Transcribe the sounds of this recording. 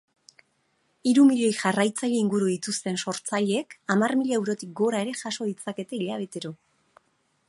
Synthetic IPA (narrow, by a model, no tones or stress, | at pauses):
iɾumiʎe̞jʝarajt͡saʎeiŋɡuɾuðit̪ust̪e̞nso̞ɾt͡saʎe̞kamarmiʎae̞wɾo̞t̪ik̚ɡo̞ɾae̞ɾe̞ʝaso̞ðit͡sake̞t̪e̞iʎaβ̞e̞t̪e̞ɾo̞